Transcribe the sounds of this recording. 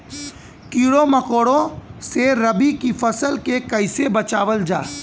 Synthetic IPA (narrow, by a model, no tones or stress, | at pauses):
kiːɽomɐkoːɽõseɾɐbikifʰɐsəlkekɐɪsebɐt͡ʃaːʋəld͡ʒaː